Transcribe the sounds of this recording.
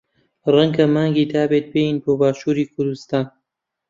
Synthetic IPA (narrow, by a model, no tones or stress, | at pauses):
rɐŋɡɐmaːŋɡiːd̪aːbeːt̪̚bejiːnboːbaːʃuːɾiːkʰʊɾd̪ust̪aːn